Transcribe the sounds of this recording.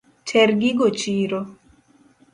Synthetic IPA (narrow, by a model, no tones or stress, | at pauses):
t͡ʃɛɾɡiɡot͡ʃiɾo